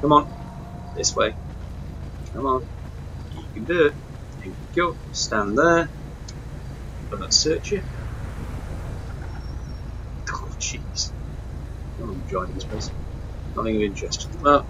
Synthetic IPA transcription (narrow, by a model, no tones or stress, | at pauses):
kʰʌ̃mə̃n | ðɪswḛɪ | kʰʌ̃mə̃n | ikɨ̃ndə | ɪ̃kəɡɪlˠt̚ | stæ̃nðə | b̥ʌðə̰tsɜˑt͡ʃjə | kʰolt͡ʃʰiz̥ | ə̃ | d͡ʒɔ̃ɪ̃nɪ̃ðɪspʰl̥eɪs | nʌ̰θɪ̃ŋʌvɪ̃nt͡ʃɹ̥ɛstɪ̃əbaʊt̚